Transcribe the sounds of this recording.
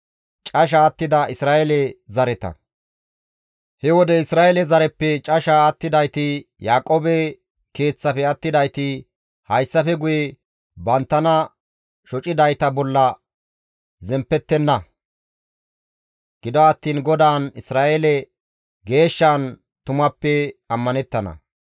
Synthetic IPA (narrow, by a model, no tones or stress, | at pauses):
t͡ʃʼɐʃ̬aːt̪ːɪd̪ɐɪsɾaːʔɛlɛzɐɾɛt̪ɐ̰ | hɛwɔd̪ɛɪsɾaːɛlɛzɐɾɛpːɛt͡ʃʼɐʃaːt̪ːɪd̪ɐjt̪ɪjaːkʼoːbɛ | ke̞ːt͡sːɐfɛɐt̪ːɪd̪ɐjt̪ɪ | hɐjsːɐfɛɡʊjɛ | bɐnt̪ːɐnɐ | ʃɔt͡ʃʼɪd̪ɐjt̪ɐbɔlːɐ | zɛmpːɛt̪ːɛnːɐ | ɡ̥ɪd̪ɔɐt̪ːiːnɡɔd̪aːnɪsɾaːʔelɛ | ɡe̞ːʃːaːn | t̪ʊmɐpːɛɐmːɐnɛt̪ːɐnɐ̰